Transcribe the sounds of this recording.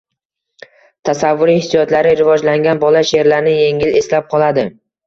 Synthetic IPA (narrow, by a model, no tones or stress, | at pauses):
t̪ʰasavːʊɾihɪsijɒt̪laɾɪɾɪvɒd͡ʒlaŋɡʲanbɒlaʃeɾlaɾnɪje̞ŋɪle̞slap̚qʰɒlˠad̪ɪ